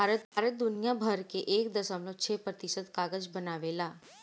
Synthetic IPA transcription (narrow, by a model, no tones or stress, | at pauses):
bʱaɾət̪̚bʱaɾət̪̚d̪unijabʱəɾkeʔekd̪əsamlot͡ʃʰepɾət̪isəd̪kaɡəd͡ʒbənaʋela